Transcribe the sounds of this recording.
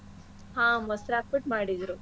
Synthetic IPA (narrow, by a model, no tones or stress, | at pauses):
hãːmɐsɾaːk̚biʈmaːɽid̪ɾu